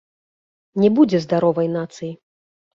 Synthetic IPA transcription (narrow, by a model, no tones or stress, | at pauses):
nʲɛbud͡zʲɛzd̪aɾɔvɐjnat̪sɨji